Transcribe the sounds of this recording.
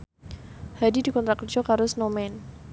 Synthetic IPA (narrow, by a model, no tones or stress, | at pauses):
hadidikɔnt̪ɾakərd͡ʒɔkaɾʊsnomɛn